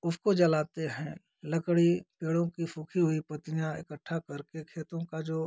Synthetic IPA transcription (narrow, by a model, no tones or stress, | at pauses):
ʊskod͡ʒɐlaːt̪eɦɛ̃ | lɐkɽipeːɽõkifʰuːkʰiɦʊipɐt̪ijãɪkəʈʰːakɐɾkekʰeːt̪õkad͡ʒoː